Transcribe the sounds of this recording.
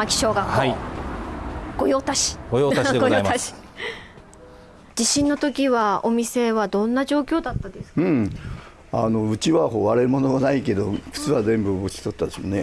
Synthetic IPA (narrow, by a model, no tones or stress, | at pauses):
makʲi̥ɕo̞ːɡaai | ɡ̥o̞jo̞ːt̪aɕi̥ɡojoːaɕid̪eɡjaiaaɕi̥ | d͡ʑiɕĩnːo̞t̪o̞kʲiβao̞mʲise̞βad̪õ̞nːaʑo̞ːkʲo̞ːd̪at̪ːad̪e̞sɨ̥ɯ̃ɴ | ano̞ɯ̟t͡ɕiβaɦoːβaɾemo̞noɡanaike̞d̪o̞kɯ̟̥t͡sɨβazẽ̞mbɯ̟bokʲi̥sot̪ːad̪esmone